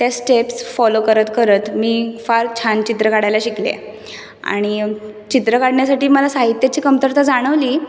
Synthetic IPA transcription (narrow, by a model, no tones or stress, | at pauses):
t̪jasʈepsfɔlokəɾət̪kəɾət̪miːfaɾt͡ɕʰant͡ɕit̪ɾəkaɽajlaɕiklḛ | a̰ɽ̃i | t͡ɕit̪ɾəkaɽɳjasaʈiːməlasaɦit̪jat͡ɕiːkəmt̪əɾt̪ad͡zaɽ̃əʋliː